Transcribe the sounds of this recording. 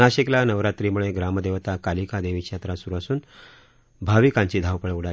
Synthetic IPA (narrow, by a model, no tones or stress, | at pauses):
aɕiklanəʋɾat̪ɾiːmuɭeɡɾaməd̪eʋt̪akalikad̪eʋiːkɕat̪ɾasuɾuasuːn | bʱaʋikãɲt͡ɕiːd̪ʱaʋpəɭuɽa